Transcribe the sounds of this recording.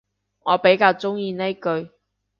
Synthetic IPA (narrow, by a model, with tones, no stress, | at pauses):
ŋɔː˨˧pe˨˥jkaː˧wt͡sʊ˥ŋjiː˧ne˥jkɵ˧ɥ